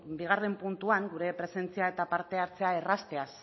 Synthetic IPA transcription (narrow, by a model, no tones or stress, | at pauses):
biɣ̞are̞mpunt̪uaŋɡuɾe̞pɾe̞se̞nt͡siae̞t̪apaɾt̪e̞aɾt͡se̞aerast̪e̞as